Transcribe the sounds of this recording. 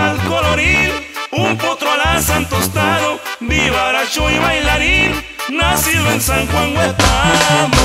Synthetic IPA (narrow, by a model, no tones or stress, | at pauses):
alkoloɾiðumput̪ɾoalasant̪ost̪aðob̪iβaɾaʃoiβajlaɾinːasiðoensaŋxwaŋɡwet̪a